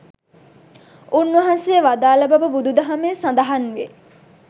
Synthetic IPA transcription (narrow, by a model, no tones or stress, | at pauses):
unːʋɐɦansejːʋad̪aːlɐbɐbəbud̪ud̪ɐɦamesãnd̪ɐɦanʋe